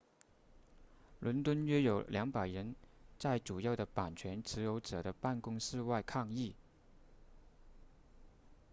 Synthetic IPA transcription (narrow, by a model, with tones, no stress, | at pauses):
lwə˧˥nt̪wə˥nɥɛ˥jo˨˩ʊljɑ˧˥ŋpa˨˩ɪɻə˧˥nt͡sa˥˩ɪʈ͡ʂu˨˩jɑ˥˩ʊd̪ə˩pa˨˩nt͡ɕʰɥɛ˧˥nʈ͡ʂʰɻ̩˧˥jo˧˥ʊʈ͡ʂɤ˨˩ɾə˦pa˥˩nkʊ˥ŋʂɻ̩˥˧wa˥˧ɪkʰɑ˥˧ŋi˥˩